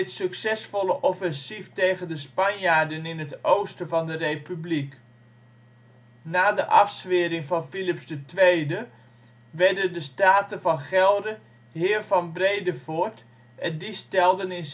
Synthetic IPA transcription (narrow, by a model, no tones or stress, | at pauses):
ɪtsøksɛsfɔləʔɔfɛnsiftejɣəndəspɑnjaːɹdənɪnətowstəvɑndərejpyblik | naːdəʔɑfsʋɪːɾɪŋvɑnfilɪpsdətʋejdə | ʋɛɹdəndəstaːtəvɑnχɛlˠdə | ɦɪːɹvɑnbrejdəvoɹt | ʔɛndistɛlˠdənɪn